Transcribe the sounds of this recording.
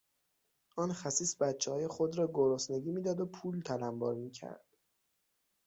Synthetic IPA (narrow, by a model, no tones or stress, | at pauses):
ʔɒːnxæsiːsbæt̪t͡ʃʰːehɒːjexod̪ɾɒːɡoɾosneɡiːmiːd̪ɒːd̪opʰuːlt̪ʰælæmbɒ̰ːɾmiːcʰæ̰ɾd̪̥